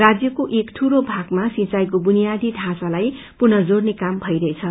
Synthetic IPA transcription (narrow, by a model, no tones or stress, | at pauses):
rad͡zjʌkoʔekʈʰuɾobʱaɡmasĩt͡sajkobunijad̪ʱiɖʱãsalaj | purnʌd͡zornekambʱʌjɾʌet͡sʰʌ